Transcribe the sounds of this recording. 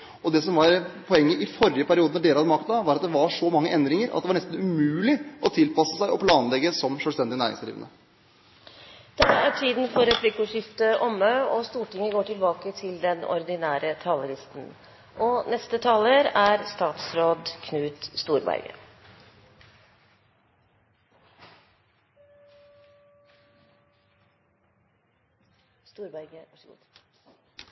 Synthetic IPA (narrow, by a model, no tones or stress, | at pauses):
ɔd̪ɛsɔmʋɑɾpʰɔɛŋːəʔɪfɔɾɪəpʰæɾɪuːd̪ənɔɖeːlɑd̪əmɑk̚t̪d̪ɑʋɑːɾɑt̪̚d̪ɛʋɑʂɔmɑŋːəʔɛnd̪ɾɪŋəɾʔɑ̰t̪d̪ɛʋɑɳɛst̪n̩ʉmʉːlɪʔɔt̪ʰɪlpɑsəsæɪʔɔpʰlɑːnlɛɡəsɔmʃœːst̪ɛnd̪ɪənæːɾɪ̰ŋsd̪ɾḭːʋənə | d̪̥ɛæʈʰiːd̪n̩fɔɾɛpʰlɪkːʊʂɪft̪əʔɔmːɑɔst̪uːʈɪŋːəɡoːʈɪlbɑːkət̪ʰɪld̪ɛnɔ̰ɾd̪ɪnæːɾət̪ʰɑːləlɪst̪n̩ | ʔɔnɛst̪ət̪ʰɑːləɾæɾst̪ɑːt̪sɾoːd̪kʰnʉːt̪st̪uːɾbæ̰ɾɡə̰ | st̪uːɾbæɾɡəʋɑʂəɡṵːd̪